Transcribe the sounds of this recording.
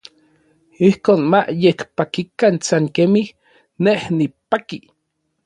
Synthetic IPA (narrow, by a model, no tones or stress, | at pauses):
ihkoːnmaʔjet͡ɬpakikansaŋkemih | nehnipaki